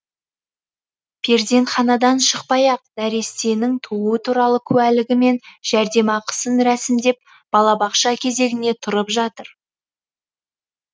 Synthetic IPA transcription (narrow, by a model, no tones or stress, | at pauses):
pʲʰe̞ɾd̪e̞ɴχɑnɑd̪ɑnʃəq̚pɑjɑq̚næɾe̞st̪e̞nɪŋt̪ʰuuət̪ʰuɾɑlˠəkʲʰʉælɪɡʲɪme̞nʒ̥æɾd̪e̞mɑqʰə̥sənɾæsɪmd̪e̞p̚ | b̥ɑlˠɑbɑqʃɑkʲʰe̞ze̞ɡʲɪne̞t̪ʰʊɾəpʒɑt̪əɾ